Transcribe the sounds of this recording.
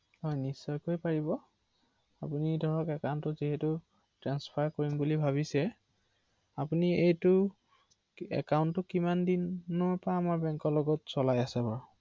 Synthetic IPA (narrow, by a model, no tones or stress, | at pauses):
hɔjnisːɔjkojpaɹibɔ | apunidʱɔɹɔkɛkawntʊziɦɛtu | tɹanspʰaɹkoɹimbulibʱaβisɛ | apuniejtʊ | ɛ̰kawntːʊkimandinːɔɹpaːmaɹbɛŋkɔɹlɔɡɔtsɔlajasɛbɔɹ